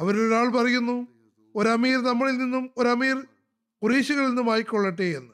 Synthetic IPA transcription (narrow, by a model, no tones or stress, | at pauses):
ɐʋɐɾoɾaːɭpɐrɐjunːu | o̞ɾɐmiːɾnɐmːɐɭilninːumo̞ɾɐmiːr | kuriːɕuɣɐɭinːumaːjikʲːoɭːɐʈːeːjenːɨ